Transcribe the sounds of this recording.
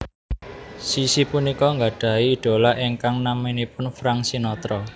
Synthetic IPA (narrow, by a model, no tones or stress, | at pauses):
sisipunikɔŋɡaɖ̥ä̤iːɖ̥o̤laʔiŋkaŋnaminipʊnfɾaŋsinɔt̪ɾɔ